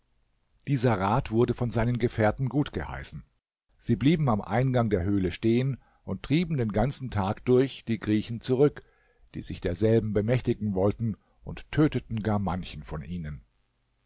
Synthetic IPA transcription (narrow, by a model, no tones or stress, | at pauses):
d̥iːzɐʁaːtv̥ʊɐdəfɔnzaɪnənɡəfɛːɐtn̩ɡuːtɡ̥əha̰ɪsn̩ | z̥iːbliːbm̩amʔa̰ɪnɡaŋdeːɐɦøːləʃteːən | ʔʊnttʁ̥iːbm̩deːnɡant͡sn̩tʰaːkd̥ʊɐçd̥iːɡʁiːçn̩t͡suʁʏk | d̥ḭːzɪçd̥eːɐzɛlbm̩bəmɛçtɪɡŋ̩vɔltn̩ | ʔʊnttʰːøːtətn̩ɡaːɐmançn̩fɔnʔiːnən